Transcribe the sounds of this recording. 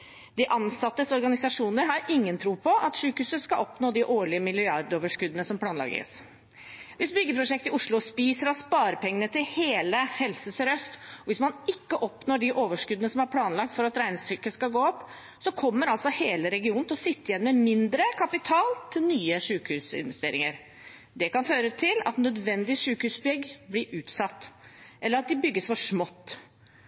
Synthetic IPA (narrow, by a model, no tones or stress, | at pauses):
d̪ɪʔɑnsɑt̪ːəsɔɾɡɑnɪsɑʂuːnəɾɦɑɾɪŋːənt̪ʰɾuːpɔʔɑt̪ʂʉːkhʉːsəskɑlʔɔpnoːd̪ɪʔoːɭɪəmɪlɪɑɾd̪oːʋəʂkʉd̪ənəsɔmpʰlɑːnlɑ̰ɡə̰s | ʋɪsbʏɡːəpʰɾʊʂɛk̚t̪ɪʊʂlʊspiːsəɾɑspɑːɾəpʰɛŋːənət̪ɪlheːləhɛlsəsɾœst̪ɔʋɪsmɑnɪkːəʔɔpnoːɖɪʔoːʋəʂkʉd̪ənəsɔmæɾpʰlɑːnlɑk̚t̪fɔɾɑt̪ɾæɪnsʏkəskɑɡoːɔpː | sɔkʰɔmːəɾɑlsɔheːləɾɛɡɪuːnnɪlɔsɪt̪ːəjɛnːmɛmɪnd̪ɾəkʰɑpɪt̪ʰɑːlt̪ʰɪlnyːəʂʉːkhʉːsɪ̰nʋɛst̪eːɾɪŋəɾ | d̪ɛkɑnføːɾət̪ʰɪlɑ̰t̪nœd̪ʋɛnd̪ɪʂʉːkhʉːsbʏɡblɪʔʉːt̪sɑt̪ːʔɛləɾɑt̪̚d̪ɪbʏɡːəsfɔʂmɔt̪ː